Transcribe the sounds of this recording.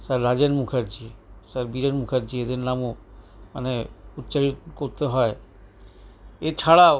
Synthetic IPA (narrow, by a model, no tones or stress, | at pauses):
səɾːad͡ʒenmukʰeɾd͡ʑisəɾbiɾenmukʰeɾd͡ʑied̪ennamuməneut̪ːt͡ʃaɾit̪koɾt̪eɦɔe | et͡ʃʰaɽa